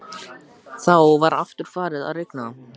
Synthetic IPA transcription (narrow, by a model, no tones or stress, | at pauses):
θawvaɾaft̪ʏɾ̥faːɾɪða̰ðrejknaam